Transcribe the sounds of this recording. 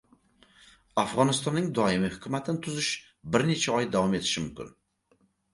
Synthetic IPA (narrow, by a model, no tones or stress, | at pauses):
afʁɑnɪst̪ɒnːɪŋd̪ɒɪmɪhʊkʲʰʊmat̪ʰɪnɪt̪ʰʊzɪʃ | bɪɾne̞t͡ʃʰaɒjd̪awɒme̞t̪ʰɪ̥ʃɪmʊmkʲɪ̰n